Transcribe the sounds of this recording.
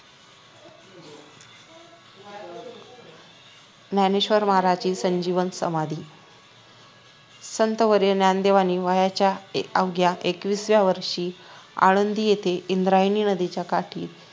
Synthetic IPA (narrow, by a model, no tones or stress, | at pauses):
naneɕʋəɾmaɾad͡ʑiːsəɲd͡ʑiʋənsə̰mad̪ʱiː | sənt̪əʋəɾjənjand̪eʋaniːʋajat͡ɕjaəʋɡjaʔekʋiːsʋjaʋəɾʂiːa̰ɽənd̪iːjet̪eʔind̪ɾajniːnəd̪it͡ɕjakaʈʰḭː